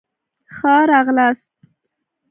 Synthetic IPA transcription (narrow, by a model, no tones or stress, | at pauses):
xɑɾɑɣlast̪̚